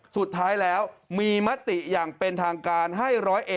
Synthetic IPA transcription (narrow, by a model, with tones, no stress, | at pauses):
su˨˩t̪ʰːaː˦˥jlɛː˦˥wmiː˧ma˦˥t̪ːi˨˩jaː˨˩ŋpe˧nt̪ʰaː˧ŋkaː˧nɦa˥˩jɾɔː˦˥jʔe˨˩